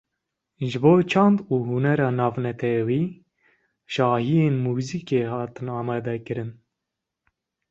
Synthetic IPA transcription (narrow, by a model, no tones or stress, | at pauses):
ʒɨboːt͡ʃʰɑnd̪uːɦunɛɾɑːnɑːvnɛt̪ʰɛwiː | ʃɑːhijeːnmuːziːkeːhɑːt̪ɨnɑːmɑːd̪ɛkɨɾɨn